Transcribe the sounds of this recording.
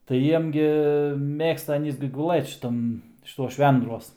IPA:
tɐɪ ˈjiɛm ɡʲɪ ˈmʲeːkstɐ ɐˈnʲiːs ɡʲɪ ɡʊˈlˠɘt ʃʲɪˈtɐm ʃʲɪˈtuɔs ˈʃʲʋʲɛndruɔs

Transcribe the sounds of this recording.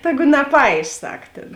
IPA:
ˈtʲæːɡʊ nɐˈpɐɪʃ ˈsɐk ˈtʲeːn

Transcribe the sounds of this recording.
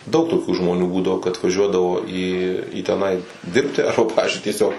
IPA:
dɐʊk toːˈkʲuː ʒmoːˈnʲuː ˈbuːdɐʋoː kɐt ʋɐˈʒʲuɔdɐʋoː iː iː tʲɛˈnɐɪ ˈdʲɪrʲpʲtʲɪ ˈɐrbɐ ˈpɑːʋʲɪzʲd͡ʒʲʊɪ tʲiɛˈsʲoːk

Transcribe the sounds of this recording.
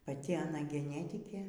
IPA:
pɐˈtʲɪ ɐˈnɐ ɡʲɛˈnʲæːtʲɪkʲeː

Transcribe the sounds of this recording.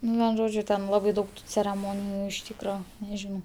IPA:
ˈnʊ ʋʲɛn ˈʒoːd͡ʒʲʊ ˈtʲɛn ˈlˠɑːbɐɪ ˈdɐʊk tʊ t͡sʲɛrʲɛˈmoːnʲɪjʊ ɪʃ ˈtʲiːkrɐ nʲɛˈʒʲɪnɐʊ

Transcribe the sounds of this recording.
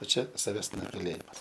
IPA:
oː ˈt͡ʃʲɛ sɐˈʋʲɛs nʊɡɐˈlʲeːjɪmɐs

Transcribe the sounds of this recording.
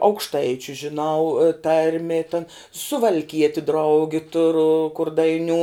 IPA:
ɐʊkʃˈtɐɪt͡ʃʲʊ ʒʲɪˈnɐʊ ˈtɐrʲmʲɪ tɐn sʊʋɐlʲˈkʲiɛtʲɪ ˈdrɐʊɡʲɪ ˈtʊrʊ kʊr dɐɪˈnʲuː

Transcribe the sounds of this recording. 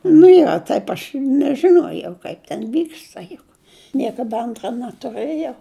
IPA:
nʊ ˈjoː ˈtɐɪp ɐʃ nʲɛʒʲɪˈnoːjɛʊ ˈkɐɪp tʲɛn ˈʋʲiːkstɐ jʊk nʲiɛkɐˈdɐ ˈɐntrɐ nɐtʊˈrɘjɛʊ

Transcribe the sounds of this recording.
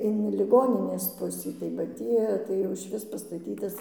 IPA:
ɪn lʲɪˈɡoːnʲɪnʲeːs ˈpʊsʲiː tɐɪ bɐ ˈtʲiː tɐɪ jɛʊ ɪʃʲˈʋʲɪs pɐstɐˈtʲiːtɐs

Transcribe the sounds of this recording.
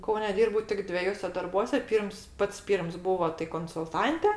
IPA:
ˈkɐʊnʲɛ ˈdʲiːrbɐʊ tʲɪk dʲʋʲɛˈjuɔsʲɛ dɐrˈbuɔsʲɛ ˈpʲiːrms ˈpɐts ˈpʲiːrms ˈbuːʋoː tɐɪ koːnsʊlˠˈtɐnʲtʲɛ

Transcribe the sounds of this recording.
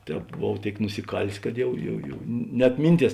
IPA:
ˈtʲɛːp boːˈʋɐʊ ˈtʲeːɪk nʊsʲɪˈkɑːlʲeːs kɐt ˈjɛʊ jɛʊ jɛʊ nʲɛt ˈmʲɪnʲˌtʲiɛs

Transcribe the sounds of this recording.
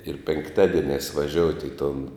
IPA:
ɪr pʲɛŋkˈtɑːdʲiɛnʲæːs ʋɐˈʒʲoːʊtʲɪ ɪ tʊn

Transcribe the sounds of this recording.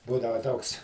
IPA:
ˈbuːdɐʋɐ ˈtoːks

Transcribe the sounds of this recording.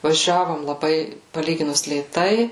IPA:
ʋɐˈʒʲæːʋoːm lˠɐˈbɐɪ pɐˈlʲiːɡʲɪnʊs lʲeːˈtɐɪ

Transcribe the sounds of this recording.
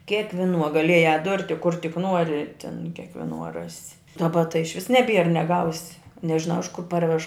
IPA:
kʲeːkʋʲɪˈnuɔ ɡɐˈlʲiɛjæː ˈdʊrʲtʲɪ kʊr tʲɪk ˈnuɔrʲɪ tʲɪn kʲeːkʋʲɪˈnuɔ ˈrɑːsʲɪ dɐˈbɐ tɐɪ ɪʃʲˈʋʲɪs nʲɛˈbʲiɛr nʲɛˈɡɐʊsʲɪ nʲɛʒʲɪˈnɐʊ ɪʃ kʊr ˈpɐrʲʋʲɛʃ

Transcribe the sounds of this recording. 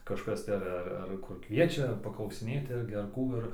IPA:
kɐʃˈkɐs tɐɪ ɐr ˈɐr ˈɐr kʊr ˈkʋʲiɛt͡ʃʲɛ pɐklˠɐʊsʲɪˈnʲeːtʲɪ ˈɪrʲɡʲɪ ɐr ˈkuː ɪr

